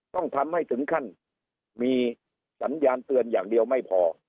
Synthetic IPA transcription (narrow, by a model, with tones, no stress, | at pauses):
t̪ɔ˥˩ŋt̪ʰa˧mːa˥˩jt̪ʰɯ˩˦ŋkʰa˥˩n | miː˧ | sa˩˦˥njaː˧nt̪ɯ˧ənjaː˨˩ŋdi˧əwma˥˩jpʰɔː˧